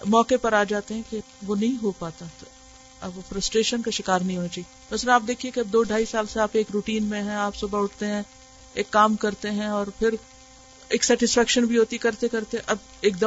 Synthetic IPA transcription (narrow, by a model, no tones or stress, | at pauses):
mɔːkepɐɾaːd͡ʒaːt̪eɦɛ̃ke | ʋonɐɦĩɦopaːt̪at̪o | ɐofɾɐsʈɾeːʃənkaʃɪkaːɾnɐɦĩɦoːnat͡ʃaːiemɐsɾaːp̚d̪eːkʰiekeɐb̚d̪oːɖʱaːisaːlseaːpeːkɾuːʈiːnmẽɦɛ̃aːpsubaɦʊʈt̪eɦɛ̃ | eːkːaːmkɐɾt̪eɦɛ̃ɔːɾpʰɪɾ | eːksɛːʈɪsfɛːkʃənbʱiɦoːt̪ikɐɾt̪ekɐɾt̪eɦɛ̃ʔɐb | eːk̚d̪ə